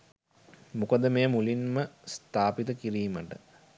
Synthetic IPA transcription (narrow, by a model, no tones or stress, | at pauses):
mukəd̪əmeːmulinməst̪aːpit̪əkiɾiːməʈə